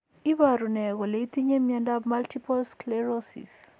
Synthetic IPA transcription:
i˦ba˨ɾu˨nɛ˨ɣɔ˨le˨i˦t̪i˦ɲe˦mjɛ˦nda˦bma˦lti˦pɔ˦lsklɛɾɔsḭs

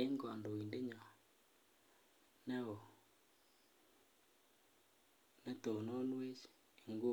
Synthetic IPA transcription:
e˦ŋɡa˨ndo˨wi˨nde˦ɲa˨ | nɛ˦wo˨ | ne˦t̪o˨no˦nwe˦t͡ʃ | e˨ŋɡo˦

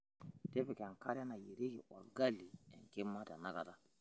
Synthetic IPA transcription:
de˦bɛ˨kɛ˨ŋ˨ka˦ɾɛ˦na˨je˨ɾe˦je˨ʔɔ˨ɾɡa˦li˨ɛ̃˨ŋke˦ma˦da˨na˦ɡa˨ta˨

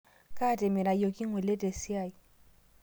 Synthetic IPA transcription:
kʼa˦˨tʼɛ˨mɪ˨ɾa˨jo˨kʼɪ˦ŋwɛ˨le˦tʼe˨si˦a˦˨i˨

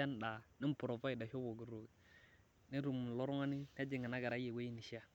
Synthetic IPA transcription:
a˦n˨da˨ni˦m˦pu˨ɾo˨va˦i˨da˨ʃo˦bo˨ɡi˨ɾo˨ | ne˦ɾu˨mu˨lo˦ɾu˦ŋa˦ni˦n˦a˦d͡ʒi˨ŋa˨na˦ɡa˨ɾa˦je˨we˦ji˦ni˨ʃi˦a˦

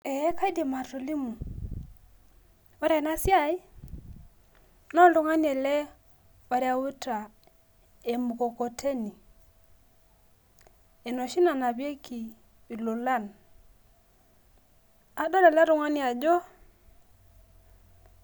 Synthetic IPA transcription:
e˨˦ka˦i˦de˨ma˨to˨li˦mu˨ | wo˦ɾa˨na˦si˦a˦i˦ | nɔ˦lu˨ŋa˦ni˦e˨le˦ | wa˨ɾe˦a˦˨wu˦ta˨ | e˨mu˨ko˨ko˨tʰe˦ni˨ | e˨no˨ʃi˦na˨na˨bje˦ki˨ | i˨lo˨la˦˨n | a˨do˦le˨la˦ɾu˨ŋa˦ni˦a˨d͡ʒo˦

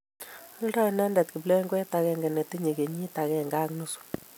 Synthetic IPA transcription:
a˦ldɔ˦˨nɛ˦ndɛ˨tki˨ble˦ŋɡɛ˦ta˨kɛ˦ŋɡɛ˨ne˨te˦ɲe˨ke˨ɲi˦ta˨kɛ˨ŋɡa˦knu˦su̥˨

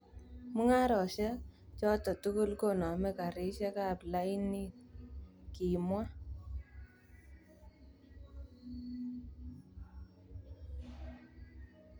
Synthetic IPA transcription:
mu˦ŋa˦ɾɔ˨ʃɛ˦t͡ʃɔ˦tɔ˨tu˦kʊ˦lko˦˨nɔ˨mɛ˦ka˨ɾɪ˦ʃɛ˦ka˦˨pla˦i˦ni˦t̚ | ki˨mwa˦

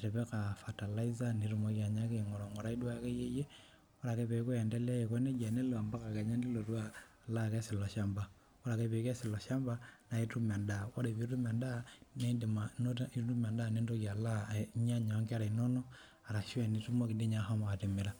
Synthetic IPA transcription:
a˨ɾe˨βe˦ka˨fa˨ta˨la˦i˦za˦ni˨ɾu˦mo˦ja˨ɲa˦ke˦˨ŋo˨ɾo˨ŋo˨ɾa˨˦i˦dwa˦ke˦je˦je˦ | o˦ɾa˨ke˦βe˨˦ko˦ɛ˨nde˦lɛ˦˨ko˦ne˦ɡa˨ne˦lo˨a˨mba˦ka˨ke˨ɲa˦ndi˦lo˨ɾwa˦˨ | la˦ke˦si˨lo˨ʃa˦mba˨ | o˦ɾa˨ke˦βe˨˦kɛ˦si˨lo˨ʃa˦mba˦na˨i˦tu˦m˨a˨nda˨o˦ɾe˨βi˦ɾu˦ma˨nda˦ne˦ndi˨mano˦i˦tu˦m˨a˨nda˦˨ne˦ndo˦kja˨la˦ɲa˦ɲa˨˦ŋɡi˦a˦ɾa˨i˨no˦nɔ˦ | a˨ɾa˨ʃu˦ɛ˨ni˨tu˦mo˦ki˨ndi˦ɲa˦ɦa˦ma˨a˨te˨mi˨ɾa˦

